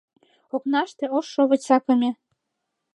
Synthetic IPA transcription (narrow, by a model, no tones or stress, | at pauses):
oknɑʃt̪eoʃːoβə̆t͡ɕʲsɑkɤ̆mʲe